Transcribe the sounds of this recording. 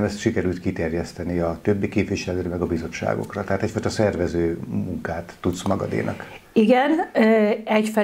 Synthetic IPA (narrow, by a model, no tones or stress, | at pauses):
mɛst̪ʃikɛɾylt̪kit̪ɛrjɛst̪ɛniɒt̪øbːikeːpviʃɛløːɾɛmɛɡɒbizo̞t͡ʃːa̰ːɡo̞̰krɒt̪ɛɦaːt̪ɛcfɒjt̪ɒsɛrvɛzøːmuŋkaːt̪ːut̪smɒɡɒ̰d̪ḛːnʔɒ̰kiɡɛn | ɛcfɛ